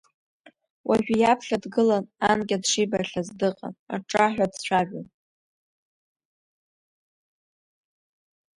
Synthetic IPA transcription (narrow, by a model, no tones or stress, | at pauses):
waʒᶣijapʰɬadɡɨlananɡʲadʂijbarɬazdɨqʼa̰na̰ʈ͡ʂʼaħᶣʷadt͡ɕʷʰaʒʷᶣan